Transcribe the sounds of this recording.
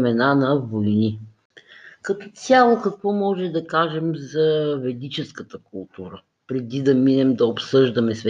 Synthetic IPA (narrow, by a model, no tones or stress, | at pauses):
mɛnanɐvojni | kɐt̪ɔt̪sʲjalˠokɐkvɔmɔʒɛd̪ɐkaʒɛmzɐvɛd̪it͡ʃɛskət̪əkulˠt̪uɾə | pɾɛd̪id̪ɐminɛmd̪ɐopsɤʒd̪ɐmɛsvɛ